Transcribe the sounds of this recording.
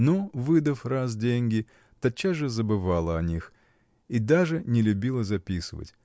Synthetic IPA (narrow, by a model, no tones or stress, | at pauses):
novɨd̪əfras̬dʲenʲɡʲɪ | t̪ɐt͡ɕːaʐɨzəbɨvalˠəɐnʲix | id̪aʐɨnʲɪlʲʉbʲilˠəzɐpʲisɨvə̰tʲ